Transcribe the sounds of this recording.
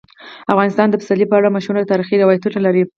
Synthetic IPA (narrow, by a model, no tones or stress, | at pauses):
afɣɑnɪst̪ɑnd̪əpɪ̥salipəaɽamaʃɾumnad̪ət̪ɑɾixid̪awajt̪unalaɾi